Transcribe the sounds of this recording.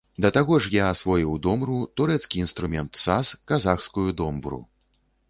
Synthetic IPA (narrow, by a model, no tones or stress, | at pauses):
d̪ɐt̪aɣɔʂjasvɔjiwd̪ɔmɾut̪uɾɛt̪skʲiinst̪ɾumʲɛnt̪saskazaxskujud̪ɔmbɾṵ